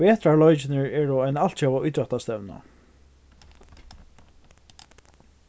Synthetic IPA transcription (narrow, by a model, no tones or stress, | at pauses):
ɛːt̪ɾaɹlɔjt͡ʃɪnɪɹɛːɾɔajnal̥t̪t͡ʃawaʊjt̪ɾɛt̪ast̪ɛvna̰